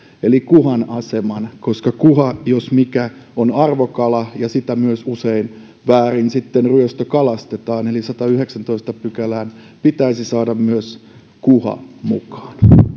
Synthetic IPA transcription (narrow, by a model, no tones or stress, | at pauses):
elikuhɑnɑsemɑnkoskɑkuɦɑjosmikæonɑrʋokɑlɑjɑsit̪æmyøsusein | ʋæːrinsit̪ːenryøst̪økɑlɑst̪et̪ɑːnelisɑt̪ɑyheksænt̪oist̪ɑpykælæːn | pit̪æisisɑːdɑmmyøs | kuhɑ̰mukɑ̥ːn